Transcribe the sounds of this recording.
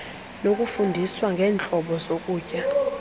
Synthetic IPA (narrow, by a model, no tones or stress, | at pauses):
nok̬ʼufundʱiswaŋɡʱɛːnt͡ɬʼɔɓɔzok̬ʼuːcʼa